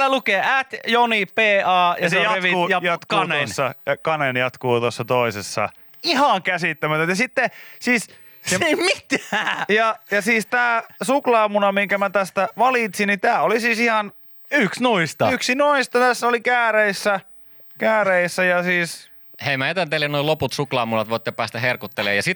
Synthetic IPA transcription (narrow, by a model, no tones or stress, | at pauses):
lːælukeːʔæt̪jonipeːɑːjɑsejɑeʋiujɑjɑt̪kuɑneonsːɑjɑkɑnenjɑt̪kuːt̪osːɑt̪oisesːɑ̰ | ihɑŋkæsit̪ːæmæt̪æt̪jɑsit̪ːesiːs | seeimit̪ææjɑjɑsiːst̪æːsuklɑːmunɑmiŋkæmæt̪æst̪æʋɑlit̪sinit̪æːolisiːsihɑn | yksnuist̪ɑyksinuist̪ɑt̪æsːolikæːreisːæ | kæːreisːæjɑsiːs | heimæet̪ænt̪elennoiloput̪suklɑːmunɑt̪ʋoˑit̪ːepæːst̪æherkut̪ːelḛːjɑsit̪